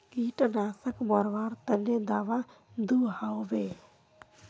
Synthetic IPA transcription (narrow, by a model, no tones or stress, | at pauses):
kiːʈnaːsəkmɔɾʋaːɾt̪ənːed̪aːʋa | d̪uhawobe